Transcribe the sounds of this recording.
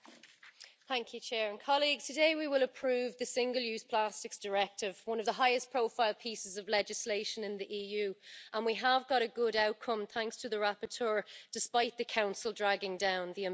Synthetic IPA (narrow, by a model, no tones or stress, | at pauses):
θãŋkʰjʉt͡ʃʰɛːɹə̃nkʰɒliɡz̥tʰədeɪwiwɪləpʰɹ̥ʉːvðəsɪ̃ŋɡəlˠjʉːz̥pʰl̥astɪksd̥əɹɛk̚tɪvwʌ̃nəvðəɦaɪɪspʰɹ̥oʊfaɪlˠpʰiˑsɪzəvlɛd͡ʒɪsleɪʃə̃nɪ̃nðiʔiːjʉːə̃nwiəvɡɒɾəɡʊɾaʊʔkʰə̃mθãŋkstʰəðəɹapə˞tʰɜːd̥ɪspaɪʔ̪ðəkʰãʊ̃nsəlˠdɹaɡɪ̃ŋdãʊ̃nðiə